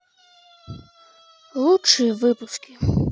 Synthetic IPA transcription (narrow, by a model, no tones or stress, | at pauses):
lˠuʃiʋɪpʊskʲɪ